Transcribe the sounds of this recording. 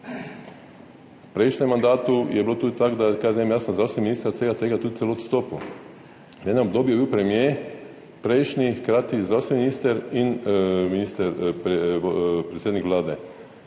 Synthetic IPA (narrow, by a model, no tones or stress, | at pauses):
pɾejʃɲɛmːand̪aːt̪ujɛbilot̪ud̪̚t̪akd̪akajzeemjasnozɾawst̪ʋeminiːst̪ɾat̪eɡat̪eɡat̪uːt̪̚seloot̪st̪oːpu | jenɛobd̪objebiwpɾemjeː | pɾejʃɲixkɾaːt̪izɾawst̪ɛminiːst̪ɛɾinminist̪ɛɾpɾepɾet̪sʲed̪nikʋlaːd̪e